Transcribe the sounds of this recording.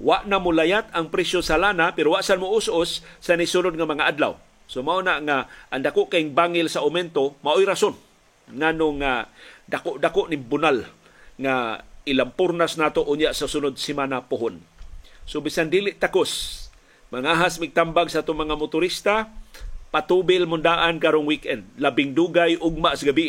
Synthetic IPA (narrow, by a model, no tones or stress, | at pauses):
waʔnamʊlajat̪aŋpɾɛsjosalanapɛɾowaʔsanmʊʊsʔʊsːanisunʊd̪̚ŋamaŋaʔad̪la̰w | somaʔonaʔŋaʔaŋd̪akoʔkaɪŋbaŋɪlsaʔʊmɛnt̪omaʔojɾason | ŋanoŋadakoʔd̪akoʔnɪŋbʊnal | ŋaɪlampʊɾnasnaːt̪oʔʊɲjaʔsasʊnʊd̪̚simanapʊɦʊnsobɪsand̪iːlɪʔt̪akos | maŋaɦasmiɡ̚t̪ambaɡsaʔat̪ʊŋmaŋamʊt̪ʊɾist̪a | pat̪ubɪlmʊnd̪aːʔankaɾoŋwikɛnd̪̚labɪŋd̪uɡajʔʊɡ̚maʔsaɡabiʔ